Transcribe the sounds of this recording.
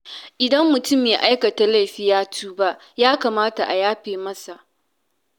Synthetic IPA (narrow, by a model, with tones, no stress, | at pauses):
ʔɪ˨dɐ˦mːʊ˨tʊ˦˨mːeː˨ʔa˦jkɐ˨ta˨la˦˨ɸi˦jaː˦tʰuː˦ba˦ʔ | jaː˦ka˨maː˦ta˨ʔa˨jaː˦ɸeː˨mɐ˦sa˨ʔ